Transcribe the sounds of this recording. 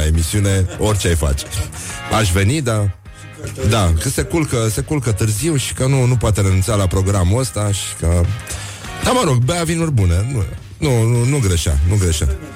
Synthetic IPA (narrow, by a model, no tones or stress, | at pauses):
e̞misiune̞o̞rʲt͡ʃeajfa̰t͡ʃe̥aʃ̬ve̞nid̪a | d̪akəse̞kulkəse̞kulkət̪ɨrziwʃi̥kənunupoat̪e̞ɾenunt̪salapɾo̞ɡɾamuəst̪aʃi̥kə | d̪aməɾo̞ɡbeavinurʲbunenu | nununuɡɾeʃa̰nuɡɾeʃa̰